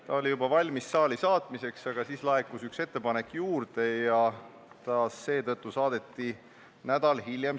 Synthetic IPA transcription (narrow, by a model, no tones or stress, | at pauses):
t̪ɑolʲijubɑvɑlʲmisːɑːlisɑːt̪ˑmise̞ksɑɡ̥ɑsiːslɑekːˑusykse̞t̪ːe̞pɑne̞kːjuːrd̪̥e̞jɑ | t̪ɑse̞ːt̪ɤt̪ˑːusɑːd̪̥e̞t̪ːi | næd̪̥ɑlɦilʲjem